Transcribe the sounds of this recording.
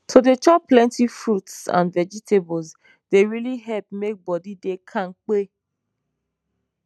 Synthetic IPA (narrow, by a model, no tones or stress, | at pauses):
todet͡ʃɔpːlɛ̃ntifɹutsã̰nvɛd͡ʒitʰebɔlz | deɹiliɦɛlp̚mek̚bɔdidekʰãŋk͡pe